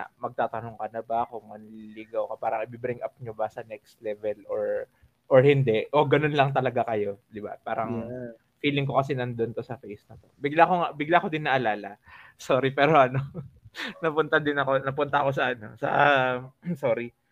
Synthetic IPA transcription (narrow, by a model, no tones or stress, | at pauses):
amɐɡ̚t̪aːt̪ɐnoŋkɐnɐbakoŋmɐnliɡɐwkɐpaːɾɐŋʔɪbibɪɾɪŋʔɐp̚ɲobɐsɐnɛkst̪lɛːvɛlʔoɹ | ʔoɹhɪnd̪ɛʔʔoɡɐno̞nlɐŋt̪ɐlɐɡakɐjo̞d̪ɪba̰paːɾɐŋ | fiːlɪŋko̞kɐsinɐnd̪ont̪o̞sɐfejsnɐt̪o̞bɪɡlakoŋabɪɡlako̞d̪ɪnːɐʔɐlaːlɐsoːɾipɛːɾo̞ʔɐno̞ | nɐpʊnt̪ɐd̪ɪnɐko̞nɐp̬ʊnt̪ɐɐko̞s̬ɐʔɐno̞sɐ̰ | soːɾi